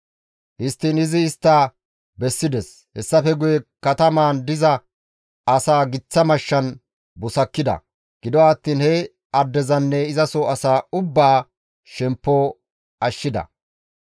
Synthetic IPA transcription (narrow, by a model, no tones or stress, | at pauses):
hɪst̪ːiːnɪzɪːst̪ːaː | bɛsːɪd̪ɛs | hɛsːɐfɛɡʊjɛkːɐt̪ɐmaːnd̪ɪzɐ | ɐsaːɡɪt͡sːɐmɐʃːɐn | bʊsɐkːɪd̪ɐ̰ | ɡ̥ɪd̪ɔwaːt̪ːiːnhɛ | ɐd̪ːɛzɐnːɛɪzɐsoɐsaːʊbːaː | ʃɛmpːoː | ɐʃːɪd̪ɐ̰